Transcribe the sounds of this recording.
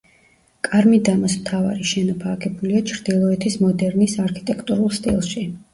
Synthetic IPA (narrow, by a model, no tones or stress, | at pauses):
kʼaɾmid̪amasmt̪ʰava̰ɾiʃɛnɔpʰaːkʰɛbuliat͡ʃʰɾd̪̥ilˠɔɛt̪ʰismɔd̪ɛɾnisaɾkʰi̥t̪ʼɛkʰt̪ʼuɾulˠst̪ʼḭlˠʃi